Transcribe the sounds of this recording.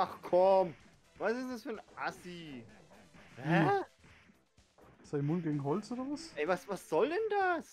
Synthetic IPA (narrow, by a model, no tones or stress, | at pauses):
ʔaχkʰɔm | vasɪsd̥asfyːɐnʔasi | hɛ | saɪmʊntɡ̥eːɡŋ̩ɦɔlt͡sʔoːdɐvasʔɛɪvasvasz̥ɔldɛndas